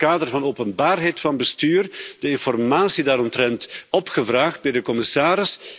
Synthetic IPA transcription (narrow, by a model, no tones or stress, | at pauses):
kaːdərvɑnowpənbaːrɦɛjtfɑnbəstyːrdəɪnfɔrmaːsidaːɾɔmtrɛntɔpχəvraːχt̚bɛjdəkɔmɪsaːɾɪs